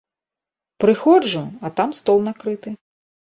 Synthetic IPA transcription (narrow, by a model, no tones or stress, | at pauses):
pɾɨxɔʐuɐt̪amst̪ɔlˠnakɾɨt̪ɨ